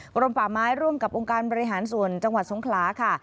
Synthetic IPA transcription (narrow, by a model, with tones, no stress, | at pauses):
ɾo˧mpaː˨˩maː˦˥jɾu˥˩əmka˨˩p̚ʔo˧ŋkaː˧nbɔː˧ɾi˧ɦaː˩˦nsu˨˩ənt͡ɕa˧ŋwa˨˩t̪̚so˩˦ŋkʰlaː˩˦kʰa˥˩